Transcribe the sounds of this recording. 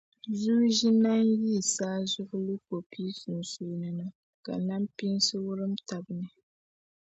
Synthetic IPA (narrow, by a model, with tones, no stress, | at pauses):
zu˦ʒi˦na˦nji˦˨saː˦zʊ˦ʔʊ˦lu˦ko˨pʰi˦su˨n˨su˨nɨ˨na˦ | ka̰˨na˦mpi˦nsɨ˦wʊ˦ɾɨ˦mta˨bɨ˨nɨ˨